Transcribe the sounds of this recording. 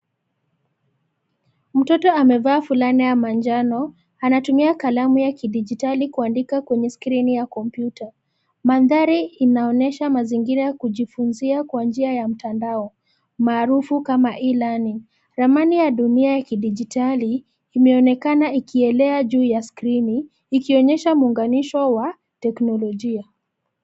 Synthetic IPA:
m̩tɔtɔamɛvaːfulanijamand͡ʒanɔ | anatumiakalamujakiɗid͡ʒitalikuandikakwɛɲɛskɾinijakɔmpjuta | manðaɾiːnaɔnɛʃamaziŋɡiɾajakuʄifunziakwand͡ʒiajam̩tandaɔ | maːɾufukamaʔilani | ɾamanijaɗuniajakiɗid͡ʒitaliː | mɛɔnɛkanaikʰiɛlɛaʄuːjaskɾiniː | kiɔɲɛʃamuːŋɡaniʃɔwa | tɛknɔlɔʄia

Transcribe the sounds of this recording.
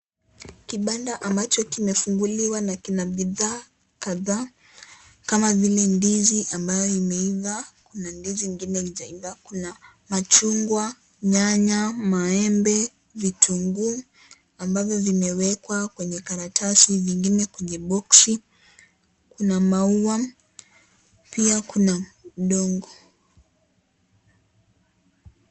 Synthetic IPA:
kiɓandaʔambat͡ʃɔkimɛfuŋɡuliwanakinaɓiðaː | kaðaː | kamavilɛndiziʔambajɔimɛiðakunandiziŋɡinɛid͡ʒaiðakuna | mat͡ʃuŋɡwa | ɲaɲamaɛmbɛ | vitʰuŋɡu | ambavjɔvimɛwɛkwakwɛɲɛkaɾatʰasiviŋɡinɛkwɛɲɛɓɔksi | kunamauwa | piakunaɗɔŋɡɔ

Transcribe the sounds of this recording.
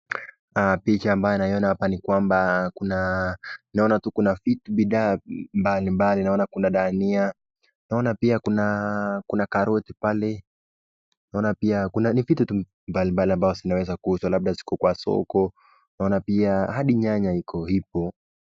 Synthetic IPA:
apit͡ʃaːmbajɔnaiɔnahapanikwambakuna | naɔnatukunafituɓiɗaːmbalimbalinaɔnakunaɗania | naɔnapiakunakunakaɾɔtipalɛ | naɔnapiakunanifitutu | mbalimbaliambaɔzinawɛzakuhuswalaɓ̚ɗasi̥kɔkwasɔ̰kɔ | naɔnapiahaɗiɲaɲaikʰɔhip̚ɔ

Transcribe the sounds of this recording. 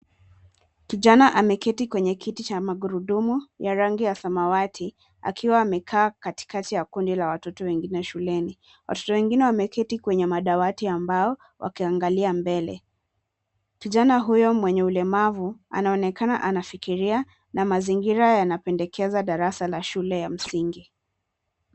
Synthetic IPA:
kiʄanaʔamɛkɛtikwɛɲɛkʰitit͡ʃamaɡuɾuɗumujaɾaŋɡijasamawatʰi | a̰kʰiwaːmɛkʰaːkati̥katijakundilawatɔtɔwɛŋɡinɛʃulɛni | wa̰tɔ̥tɔwɛŋɡinɛwamɛkɛtikwɛɲɛmaɗawatiambaɔ | wʔa̰kiaŋɡaliambɛlɛ̰ | kiʄanaɦujɔmwɛɲɛulɛmavua̰naɔnɛkana̰ʔanafikiɾia | namaziŋɡiɾajanapɛndɛkʰɛzaɗaɾasalaʃulɛjam̩siŋɡi

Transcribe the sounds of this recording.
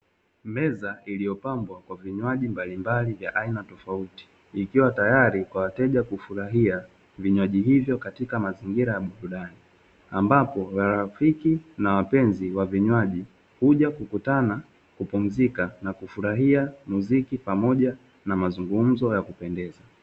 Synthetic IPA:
mɛzaʔilijɔpambwakwaviɲwaʄimbalimbalivjaʔainatɔfauti̥ː | kiwatajaɾikwawatɛʄakufuɾaɦia | viɲwaʄiɦivjɔkatikamaziŋɡiɾajaɓuɾuɗani | ambapɔwaɾafikinawapɛnziwaviɲwaʄi | huʄakukutana | kupum̩zikanakufuɾaɦiamuzikipamɔʄa | namazuŋɡum̩zɔjakupɛndɛza

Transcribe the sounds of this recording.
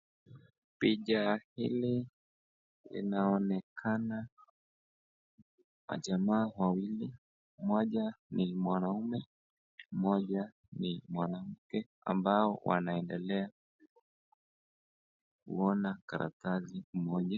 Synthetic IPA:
piʄahḭli | lḭnaɔnɛkʰana | wa̰ʄamaːwawili | mmɔʄanimwanaumɛ | m̩mɔʄa | nimwanam̩kɛ | a̰mbaɔwʔa̰naɛndɛlɛa | kṵɔnakaɾa̰tazim̩mɔʄa

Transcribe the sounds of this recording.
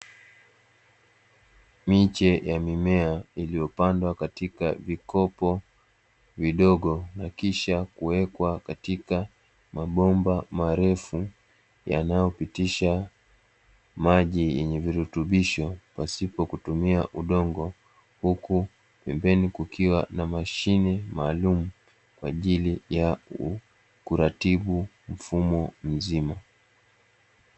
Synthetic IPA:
mit͡ʃɛjamimɛailijɔpandwakatika̰vikɔpɔ | viɗɔɠɔnakiʃakuwɛkwakatika | maɓɔmbamaɾɛfu | ja̰najɔpitiʃa | maʄijɛɲɛviɾutuɓiʃɔpasipɔkutumiaʔuɗɔŋɡɔ | huku | pɛmbɛnikukiwanamaʃinɛmaːlumu | kwaʄilijau | kuɾatiɓu | m̩fumɔm̩zima

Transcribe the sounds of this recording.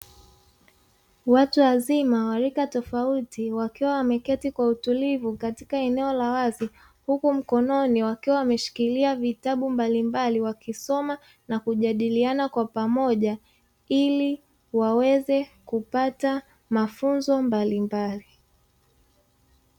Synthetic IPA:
watuwazimawaɾikatɔfautiwakiwawamɛkɛtikwautulivukati̥kaɛnɛɔlawazi | hukum̩kɔnɔniwakiwawamɛʃi̥kiliavitaɓumbalimbaliwakisɔma | nakuʄaɗilianakwapamɔʄa | ili | wawɛzɛkupata | mafunzɔmbalimbali

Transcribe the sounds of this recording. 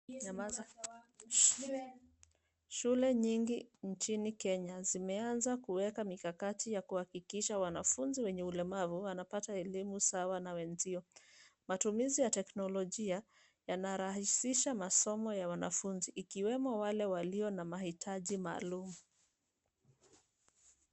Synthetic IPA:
ʃulɛɲiŋɡin̩t͡ʃinikɛɲazimɛanzakuwɛkamikakatijakuhakikiʃawanafunziwɛɲɛulɛmavuwanapataɛlimusawanawɛnziɔmatumizijatɛknɔlɔʄia | janaɾaɦisiʃamasɔmɔjawanafunziʔːkiwɛmɔwalɛwaliɔnamahitʰaʄima̰ːlumu

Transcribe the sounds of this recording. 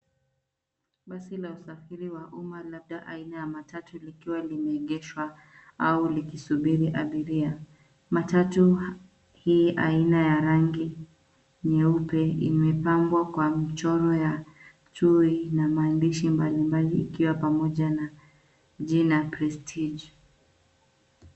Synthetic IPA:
ɓasilausafiɾiwaʔumalab̚ɗaʔa̰inajamatatulikiwalimɛːɠɛʃwa | aulikisuɓiɾiʔa̰ɓiɾia | matatu | hiʔa̰inajaɾaŋɡi | ɲɛupɛḭmɛpambwakwamit͡ʃɔɾɔja | t͡ʃuinamaːndiʃimbalimbalḭːkiwapamɔʄana | ʄinapɾɛstʰid͡ʒ

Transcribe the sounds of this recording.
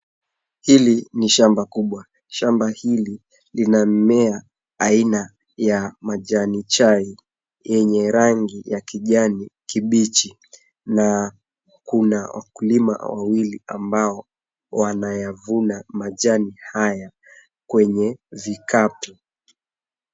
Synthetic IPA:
hiliniʃambakuɓwa | ʃambahili | linam̩mɛaː | ina | jamaʄanit͡ʃai | jɛɲɛɾaŋɡijakiʄanikiɓit͡ʃi | na | kunawʔa̰kulima̰wa̰wilia̰mbaɔ | wanajavunamaʄanihaja | kwɛɲɛvikʰatu

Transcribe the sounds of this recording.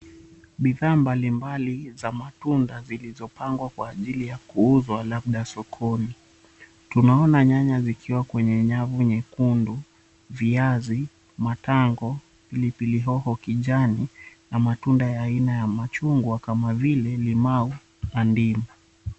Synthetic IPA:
ɓiðaːmbalimbalizamatundazilizɔpaŋɡwakwaːʄilijakuuzwalaɓɗasɔkʰɔni | tunaɔnaɲaɲazikʰiwakwɛɲɛɲavuɲɛkundu | viazi | mataŋɡɔ | pilipiliɦɔhɔkiʄaninamatundajaːinajamat͡ʃuŋɡwakamavilɛlimau | andima

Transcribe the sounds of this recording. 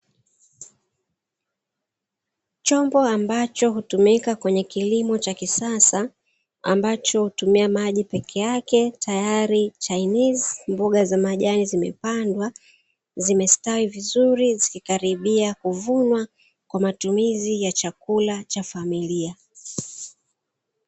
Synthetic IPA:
t͡ʃɔmbɔambat͡ʃɔɦutumikakwɛɲɛkilimɔt͡ʃakisasa | a̰mbat͡ʃɔhutumiamaʄipɛkʰɛjakɛtajaɾit͡ʃainizmbuɠazamaʄanizimɛ̰pandwa | zimɛstawivizuɾizikikaɾiɓiakuvunwa | kwamatumizijat͡ʃakulat͡ʃafamilia

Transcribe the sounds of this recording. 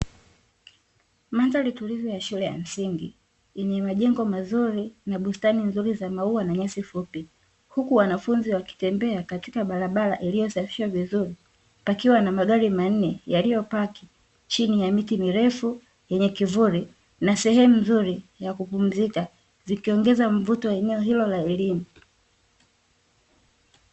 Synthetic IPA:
manzalitulivɔjaʃulɛja̰m̩siŋɡḭ | jɛɲɛmaʄɛŋɡɔmazuɾinaɓustaninzuɾizamauwanaɲasifupi | hukuwanafunziwaki̥tɛmbɛakatikaɓaɾaɓala̰ʔilijɔsafi̥ʃwavizuɾi | pakiwanamaɠaɾiman̩nɛjalijɔpaki | t͡ʃinijamitimiɾɛfu | jɛɲɛkivuɾi | nasɛhɛmuzuɾijakupum̩zika | zikiɔŋɡɛzaɱ̩vutɔwɛnɛɔɦilɔlaɛlimu

